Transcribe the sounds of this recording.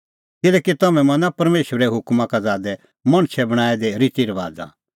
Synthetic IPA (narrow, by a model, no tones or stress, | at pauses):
kɪlɛːkit̪ɐmɛ̃mɐ̃napɐɾmeːʃʋɾɛɦʊkmãkad͡zaːd̪ɛ | mɐ̃ɽ̃t͡ʃʰɛbɐɽ̃aːɛd̪eɾɪt̪iɾɐʋaːd͡za̰